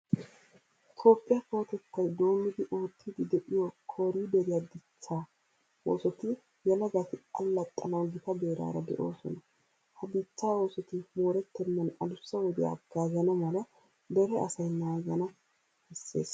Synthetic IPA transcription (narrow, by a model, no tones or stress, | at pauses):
t̪ʰo̞ːpʼːɪjɐfo̞ːt̪ɛt̪ːɐjd̪o̞ːmːɪd̪ɪʔoːt̪ʰːɪd̪ɪd̪ɛʔɪjɔkʰoːɾiːd̪ɛɾɪjad̪ɪt͡sːaː | o̰ːsɔt̪ɪ | jɛlɐɡat̪ɪɐlːɐt̪ʼːɐnɐwɡɪt̪ɐbe̞ːɾa̰ːɾɐd̪ɛ̰ʔo̞̰ːsɔ̰nɐ | hɐbɪt͡sːaːo̞ːsɔt̪ɪmoːɾɛt̪ːɛmːɐnɐlʊsːɐwɔd̪ɪja̰ɡ̥aːzɐnɐmɐlɐ | d̪ɛɾɛɐsɐjnaːɡɐnɐ | hɛsːe̞̰ːs